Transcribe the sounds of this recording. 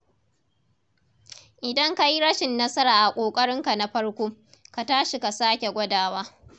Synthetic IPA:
ʔɪ˨dɐ˦ŋka˦ji˦ɽɐ˦ʃɪ˨nːɐ˦sɐ˦ɾaː˨ʔa˨kʷʼoː˨kʼɐ˦ɽɪ˦ŋka˨na˦ɸɐ˦ɽkʷoː˦ | ka˨taː˦ʃi˨ka˨saː˦kʲe˨ɡʷɐ˦daː˨waː˦

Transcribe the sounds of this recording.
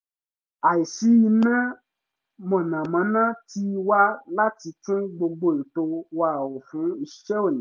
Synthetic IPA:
a˨i˨si˨˦i˧nã˦ | mɔ̃˨nã˨mã˨˧˦nã˦ti˦˧wa˦la˦ti˧tũ˦ɡ͡bo˧ɡ͡bo˦˨i˨to˧wa˦˨wɔ˨fũ˨˦i˧ʃɛ˦o˦˨nĩ˨˦

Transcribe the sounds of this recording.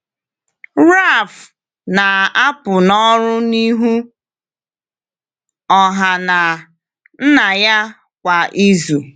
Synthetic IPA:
ɾa˦˨f | na˨a˦pʊ˨nɔ˦ɾʊ˦ni˦ɦu˦ | ɔ˨ɦa˨na˨ | n̩˦na˨ja˦ | kʷa˨ʔi˦zu˨

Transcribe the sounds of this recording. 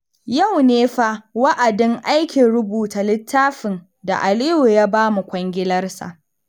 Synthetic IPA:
ja˦˨wneː˦ɸa˦wa˦ʔa˨dɪ˦ŋʔa˦jkʲi˨ɾʊ˦buː˨ta˨lɪ˦tʰːaː˦ɸɪ˨n | da̰˨ʔa˨lɪ˦ju˨jaː˦baː˦mu˨kʷɐ˦ŋɡʲɪ˦lɐ˦rsa̰˨ʔ

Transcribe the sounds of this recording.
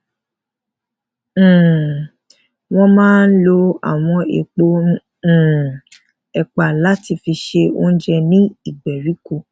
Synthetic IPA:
w̃ɔ̃˧mãː˦n̩˦lo˧a̰˨w̃ɔ̃˧ḛ˨k͡põ˧˦˨ | ɛ˨k͡pa˨la˦ti˧fi˧ʃe˧o̰˧˦n̩˦d͡ʒɛ˧nĩ˦i˦˨ɡ͡bɛ˨ɾi˨˦ko˧˨

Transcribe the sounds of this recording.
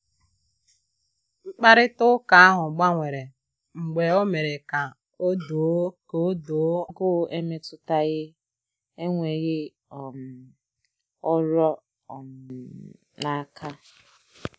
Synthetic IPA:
ŋ͡m̩˦k͡pa˦ɾɪ˦tʊ˦ka˨a˦ɦʊ˨ɡ͡ba˦ŋʷe˨ɾe˨ | ŋ͡m̩˨ɡ͡be˨o˦me˨ɾe˨ka˨ | o˦do˨˦ko˦o˦do˨˦ɡʊ˦ʔe˦me˦tʊ˦ta˦ɣɪ˦ | e˦ŋʷe˨ɣɪ˦ | ɔ˨m˨ | ɔ˦ɾɔ˦˨ | m˨ | na˨˦˨kʰa˦

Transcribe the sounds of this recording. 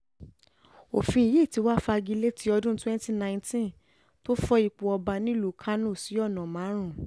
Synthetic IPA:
o˨fĩ˧i˨je˦˨ti˨˧˦wa˦fa˧ɡi˧le˦ti˨˦ɔ˧dũ˦twɛ̃˦nti˦nã˧j̃ntĩ˦ | to˦fɔ˧i˨k͡po˨ɔ˧ba˧nĩ˦lu˨˦kʰa˦nõ˦˨si˨˦ɔ˦˨nã˨mã˨˦ɾ̃ũ˦˨

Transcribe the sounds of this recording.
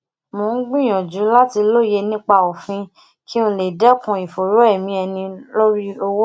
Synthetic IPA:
mõ˨˦n̩˦ɡ͡bĩ˦˨j̃ɔ̃˨d͡ʒu˨˦la˦ti˧lo˦˨je˧nĩ˦k͡pa˦˧˨o˨fĩ˧˦ | kʰi˦ũ˧le˨dɛ˦kũ˧i˨fo˨ɾo˨˦ɛ˦˨mĩ˧˦ɛ˧nĩ˧lo˦ɾi˦o˧wo˦

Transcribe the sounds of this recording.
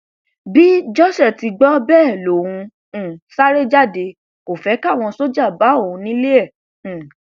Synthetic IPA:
bi˦d͡ʒɔ˦˨sɛ˦˨ti˧ɡ͡bɔ˦bɛː˦˨lo˨ũ˧˦˨ | sa˦ɾe˦d͡ʒa˦˨de˧˦ | ko˨fɛ˨˦ka˦˨w̃ɔ̃˧so˦d͡ʒa˦˨ba˨˦o˦˨ũ˧nĩ˦le˦ɛ̃˦˨

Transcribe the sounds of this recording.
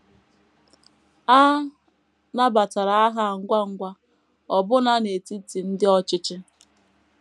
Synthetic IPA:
a˦ | na˦ba˨ta˨ɾa˨a˦ɦa˦˨ŋ̩˦ɡʷa˦ŋ̩˦ɡʷa˦ | ɔ˨bʊ˦na˦ne˨ti˦ti˨n̩˦dɪ˦ɔ˦t͡ʃɪ˦t͡ʃɪ˦

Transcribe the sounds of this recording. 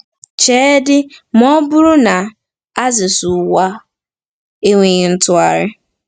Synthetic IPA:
t͡ʃeː˦dɪ˦m˦ɔ˦bʊ˦ɾʊ˦na˨ | a˦zɪ˨su˨wa˦ | e˦ŋʷe˨ɪ˨n̩˦tʊ˨a˨ɾɪ˦

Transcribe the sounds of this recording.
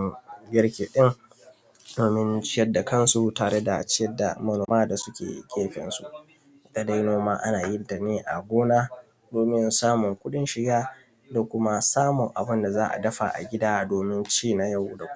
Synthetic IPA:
ɡʲɪ˦ɽkʲeː˨ɗɪ˦ŋ | doː˨mɪ˦nt͡ʃɪ˦jɐ˦dːa˨kɐ˦nsu˨taː˨ɽe˦da̰˨t͡ʃɪ˦jɐ˦da̰˨mɐ˨noː˨maː˦da˨sʊ˦kʲḛː˨kʲʼeː˦ɸɪ̰˨nsṵ˨˦˨ | ta˨da˦jnoː˦maː˦ʔa˦naː˨jɪ˦nda˨neː˦ʔa̰˨ɡʷoː˦naː˦ | doː˨mɪ˦nsaː˦mʊ˨ŋkʷʊ˦ɗɪ˦nʃɪ˨ɡaː˦ | do˨kʷʊ˦ma˦saː˦mʊ˨ŋʔa̰˨bʊ˦nda˨zaː˦ʔa̰˨dɐ˦ɸa̰˨ʔa̰˨ɡʲɪ˦daː˦doː˨mɪ˦nt͡ʃiː˦˨na˨ja˦˨wda˨˦

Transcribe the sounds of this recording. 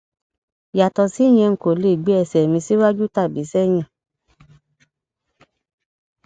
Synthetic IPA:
ja˨tɔ˨si˨˦˨j̃ɛ̃˧ŋ̩˨ko˨le˨ɡ͡be˨˦ɛ˧˨sɛ˨mĩ˧si˦wa˦d͡ʒu˦ta˦˨bi˨˦sɛ˦j̃ã˦˨

